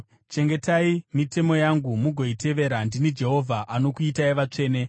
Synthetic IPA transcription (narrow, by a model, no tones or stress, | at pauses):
t͡ʃe̞ŋɡe̞taimite̞mo̞jaŋɡumuɡʱo̞ite̞ʋe̞ɾandinid͡ʒe̞ɦo̞vʱaʔano̞kuitaiʋat͡ʂe̞ːne̞